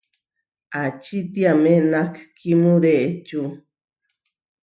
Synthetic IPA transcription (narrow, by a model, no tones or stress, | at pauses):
at͡ʃit̪jamenakkimuɾeʔt͡ʃu